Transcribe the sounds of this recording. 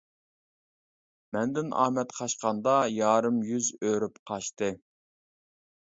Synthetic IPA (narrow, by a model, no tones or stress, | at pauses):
mɛnd̪ɪnɑ̰ːmɛt̪qʰɑʃqɑnd̪ɑjɑːɾɨmjyzøɾypqʰɑʃt̪ɨ